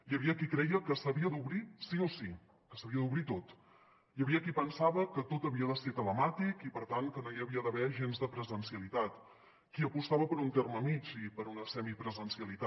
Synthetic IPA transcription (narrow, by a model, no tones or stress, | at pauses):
jəβiəkikɾɛjəkəsəβiəd̪uβɾisiosi | kəsəβiəðuβɾit̪ot̪ | jəβiəkipənsaβəkət̪ot̪əβiəðəset̪ələmat̪ikipəɾt̪aŋkənojəβiəðəβɛʒenzðəpɾəzənsiəlit̪at̪ | kiəpust̪aβəpəɾunt̪erməmit͡ʃipəɾunəsɛmipɾəzənsiəlit̪a